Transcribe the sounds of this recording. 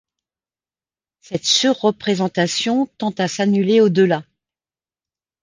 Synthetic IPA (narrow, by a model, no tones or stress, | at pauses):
sɛt̪syʁːəpχezɑ̃t̪asjɔ̃t̪ɑ̃t̪asanyleod̪əla